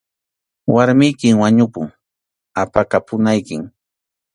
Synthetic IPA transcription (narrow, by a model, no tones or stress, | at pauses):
waɾmɪjkɪŋwaɲʊpʊŋ | apakapʊnajkɪŋ